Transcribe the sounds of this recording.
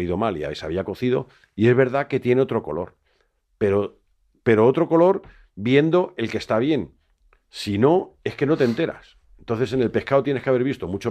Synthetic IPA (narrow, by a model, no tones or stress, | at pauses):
iðomalia̰βesa̰β̞iako̞θið̞o̞̰ | ie̞zβe̞ɾð̞ake̞t̪je̞ne̞o̞t̪ɾo̞ko̞̰lo̞ɾ | pe̞ɾo | pe̞ɾo̞ot̪ɾo̞ko̞lo̞ɾ | bje̞nd̪o̞e̞lke̞st̪aβ̞je̞n | sino̞e̞ske̞no̞t̪ent̪e̞ɾa̰s | ent̪o̞nθe̞se̞ne̞lpe̞skaot̪jene̞skeaβe̞ɾβ̞ist̪o̞mut͡ʃo